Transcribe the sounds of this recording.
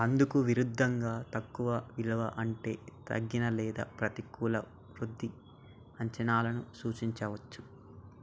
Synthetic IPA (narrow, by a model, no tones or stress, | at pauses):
ɐnd̪ukuʋiɾud̪ʱːɐŋɡaːt̪ɐkːuʋɐʋilɐʋɐʔɐɳʈe̞ːt̪ɐ̰ɡːinɐlɛːd̪ɐ̰pɾɐt̪ikuːlɐ | ɾud̪ʱːi | ɐɲt͡ʃɐnaːlɐnusuːt͡ʃiɲt͡ʃɐʋɐt͡ʃːu̥